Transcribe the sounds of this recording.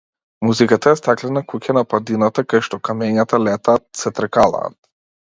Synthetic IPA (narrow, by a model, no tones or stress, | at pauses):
muzikat̪aɛst̪aklɛnakucanapad̪inat̪akajʃt̪ɔkamɛɲat̪alɛt̪aːt̪̚sɛt̪ɾkalˠa̰ːt̪